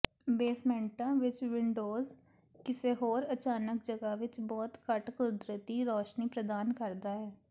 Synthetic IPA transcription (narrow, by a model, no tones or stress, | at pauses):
beːsmɛ̃ːɳʈãːʋɪt͡ʃʋɪɳɖoːz | kɪseːɦoːɾət͡ʃaːnək̚d͡ʒəɡaːʋɪt͡ʃbɔːt̪kəʈkʊd̪ɾət̪iːɾɔːʃniːpɾəd̪aːnkəɾd̪aːɦɛː